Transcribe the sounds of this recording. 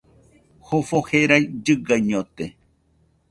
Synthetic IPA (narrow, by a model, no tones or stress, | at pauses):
hofoheɾajd͡ʒɨɡajɲot̪e